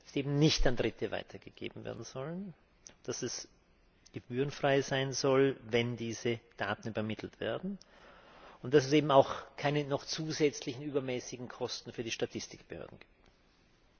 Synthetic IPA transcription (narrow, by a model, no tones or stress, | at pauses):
d̥ḁseːbm̩nɪçtandʁɪtʰəva̰ɪtʰɐɡ̥əɡ̥ḛːbm̩vḛːɐdn̩z̥ɔlən | d̥asɛs | ɡ̥əbyːʁənfʁ̥aɪzaɪnzɔlvɛndiːzəd̥a̰ːtn̩yːbɐmɪtʰl̩tv̥ḛːɐdn̩ | ʊnt̚d̥as̬ɛseːbm̩aʊxkʰaɪnənɔχt͡suːzɛt͡slɪçn̩yːbɐmɛːsɪɡŋ̩kʰɔstn̩fyːɐdiːʃtatʰɪstɪkb̥əhø̰ɐdn̩ɡ̥i̥ːp̚t